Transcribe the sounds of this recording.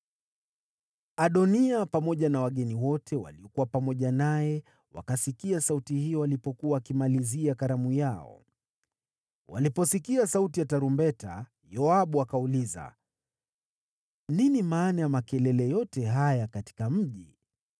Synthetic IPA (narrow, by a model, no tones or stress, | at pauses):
aɗɔniapamɔʄanawaɠɛniwɔtʰɛwa̰liɔkuwapamɔʄanajɛ | wa̰kasikiasautihijɔwalipɔkuwawkimaliziakaɾamujaɔ̰ | wa̰lipɔsikiasautijataɾumbɛta̰ | jɔaɓuakauliza̰ | ninimaːnajamakɛlɛlɛjɔtɛɦajakati̥kam̩ʄi